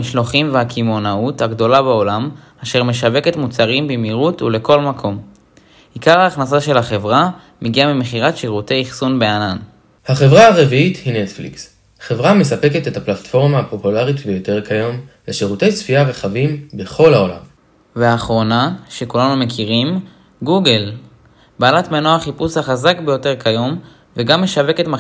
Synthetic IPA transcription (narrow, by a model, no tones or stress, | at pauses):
iʃlo̞χimveakʰimo̞nauthaɡdo̞labao̞lam | aʃe̞ʁme̞ʃave̞ke̞tmut͡saʁimbimiʁutule̞ko̞lmakʰo̞m | ikaʁaːχnasaʃe̞laχe̞vʁa | meɡiamime̞χiʁatʃeʁute̞jiχsunbeanan | haχe̞vʁaaʁeviithinetflḭks | χe̞vʁame̞sape̞ke̞tethaplatfo̞ʁmaːpo̞pulaʁitbejo̞te̞ʁkʰajo̞mleʃeʁute̞jsfiaʁeχavimbe̞χo̞laola̰m | veaːχʁo̞naʃe̞kulanume̞kiʁim | ɡuɡel | baːlatmenoaχipushaχazakbejo̞te̞ʁkajo̞m | veɡamːe̞ʃave̞ke̞tma